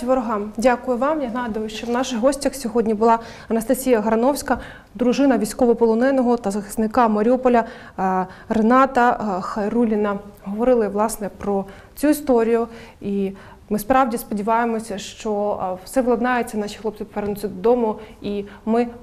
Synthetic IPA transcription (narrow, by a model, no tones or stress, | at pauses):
ʋɔɾɔɦɑmdʲakʊjʊʋɑmjɐɦnɑɦɑd̪ɐʋʊʃt͡ʃɔwnɑʃɪɣɦɔsʲtʲɐxsʲɔɦɔdʲnʲibʊlˠɑ | ɐnɐst̪ɐsʲijɐɦɐɾɐnɔwsʲkɐ | d̪ɾʊʒɪnɐʋʲijsʲkɔʋɔpɔlˠɔnɛnɔɦɔt̪ɐzɐxɪ̥snɪkɑmɐɾʲɔpɔlʲɐ | renɑt̪ɐxɐjrulʲɪnɐɦɔʋɔɾɪlˠɪʋlˠɑsnɛpɾɔ | t͡sʲuist̪ɔɾʲijʊi | mɪspɾɑwdʲispɔdʲiʋɑjemɔsʲɐʃt͡ʃɔwsɛʋklˠɐd̪nɑjet͡sʲːɐnɑʃʲixlˠɔp̚sɪpɔʋɛɾnʊt͡sʲɐd̪ɔd̪ɔmʊimɪ